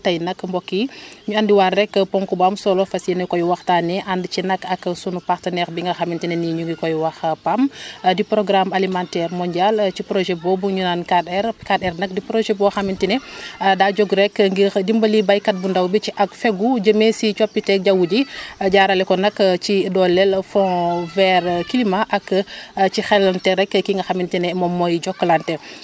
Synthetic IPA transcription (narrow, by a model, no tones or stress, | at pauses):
tɐjnɐkːmbɔkːiɲuɐndiwarːɛkːpɔŋkubamsɔlɔfɐsɛnɐkɔjwɐxtanɛʔandt͡ʃinɐkːɐksunupaxtɐnɛxbiŋɡɐxɐmintinɛniɲuɡikɔjwɐxpamdipɾɔɡɾamalimantɛːɾmɔnɟalt͡ʃipɾoʒɛbɔbuɲunankadɛɾkadɛrnɐk̚dipɾoʒɛbɔxɐmintinɛdaːɟɔɡɾɛkŋɡidimbɐlibajkɐt̚bundawbit͡ʃiʔɐkfɛɡuɟəmesit͡ʃɔpːitɛk̚ɟawuɟiɟaɾalɛkɔnɐkt͡ʃidɔlːɛlfɔ̃vɛɾkilimaʔakcixɛlantɛɾɛkkːiŋɡɐxamintinɛmɔmɔjɟɔkːlantɛ